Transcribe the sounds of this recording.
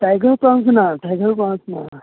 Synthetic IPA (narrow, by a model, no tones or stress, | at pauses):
ʈajɡəɾpaŋsnaʈajɡəɾpãŋsna